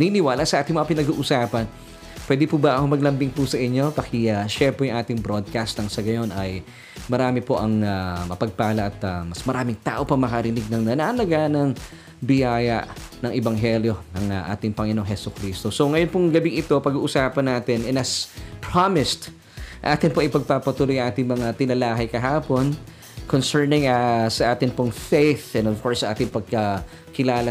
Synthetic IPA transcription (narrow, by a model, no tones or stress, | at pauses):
ninɪwaːlasɐʔaːt̪ɪŋmɐŋɐpɪnɐɡuːʔʊsaːpɐn | pwɛːd̪ɪpuːbɐʔɐomɐɡ̚lɐmbɪŋpusɐʔɪɲːo̞pɐkɪaʃɛmpɛjʊŋʔaːt̪ɪŋbɾod̪̚kast̪nɐŋsɐɡɐjo̞nɐj | mɐɾaːmɪpo̞ʔɐŋamɐpɐɡ̚paːlɐʔɐt̪ɐmɐsmɐɾaːmɪŋt̪a̰ːʔo̞pɐŋmɐkɐɾɪnɪɡ̚nɐŋnɐnalɐɡanɐŋ | bɪjaːjɐ̰ʔnɐŋʔɛbɐŋɦɛljo̞nɐŋaʔa̰ːt̪ɪŋpɐŋɪnoŋɦhɛsʊkɾiːst̪osoŋɐjonpʊŋɡɐbɪŋɪt̪o̞pɐɡuːʔʊsaːpɐnːaːt̪ɪnʔɛnɐspɹamɪst̪ | ʔaːt̪ɪnpoʔɪjpɐɡ̚papɐt̪uːlojɐŋʔaːt̪ɪŋmɐŋat̪ɪnɐlaːɦɐjkɐɦaːpo̞n | konsɛɹnɪŋasɐʔaːt̪ɪnpoŋfejθɛ̃novkoɹsːɐʔaːt̪ɪŋpɐɡ̚kɐ | kɪlaːlɐ